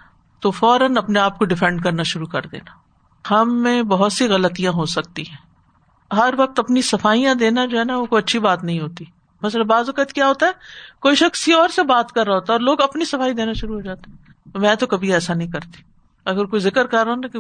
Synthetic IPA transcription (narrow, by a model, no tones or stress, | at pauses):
t̪ofɔːɾənɐpneaːp̚koɖɪfɛ̃ɳɖkɐɾnaʃʊɾukɐ̰ɾd̪ḛːnaː | hɐmːẽbɐɦʊt̪siɣɐlət̪ijãɦosɐk̚t̪iɦɛ̃ː | ɦɐɾʋɐk̚t̪ɐpnisɐfaːijãd̪eːnad͡ʒoːɦɛːnaokoɐtːʃʰibaːt̪nɐɦĩɦoːt̪i | mɐsləbaːzʋɐkət̪kjaːɦoːt̪aɦɛːkoːiʃɐxsjiɔːɾsebaːt̪kɐɾːaɦoːt̪aɔːɾloːɡɐpnisɐfaːid̪eːnaʃʊɾuɦoːd͡ʒaːt̪eɛ̃ | t̪omɛ̃ːt̪okɐbʱiɛːsanɐɦĩkɐɾt̪i̥ | ɐɡəɾkoːizɪkəɾkɐɾːaːnaki